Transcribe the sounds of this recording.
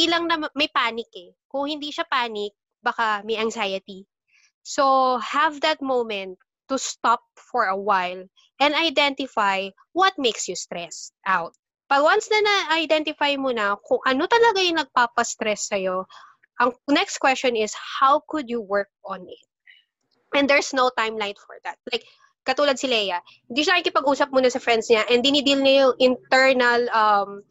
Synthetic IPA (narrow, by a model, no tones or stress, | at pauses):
ilɐŋnɐmmɐjpaːnɪkɛ | kʊŋhɪnd̪iːʃapaːnɪk̚ | bɐkamɐjɐŋzajɐt̪i | sohɐvd̪ɐt̪̚mowmɛ̃nt̪ːust̪ɔp̚fɔɹɐwajl | ʔɛ̃nd̪ɐjd̪ɛnt̪ɪfaj | wɐt̪̚mejksjʊst̪ɾɛsʔawt̪̚ | bɐwansnɐnɐɐjd̪ɛnt̪ɪfajmʊnɐkʊŋʔɐnot̪ɐlɐɡajʊŋnɐɡ̚paːpɐst̪ɾɛsːɐjo | ʔɐŋnɛkst̪kwɛst͡ʃɔnɪshawkʊd̪jʊwɜɹk̚ɔ̃nɪt̪̚ | ʔɛ̃nd̪ɛɹsnowt̪ãjmlajt̪fɔ̰ɹd̪at̪̚lajk̚ | kːɐt̪uːlɐd̪sɪlɛjɐ | hɪnd̪iʃʊɐnaɪŋkɪpɐɡʔuːsɐp̚muːnɐsɐfɹɛnd̪sɲaʔɛnd̪ɪnid̪ilɲɐjoʔɪnt̪ɛɹnɐlɐm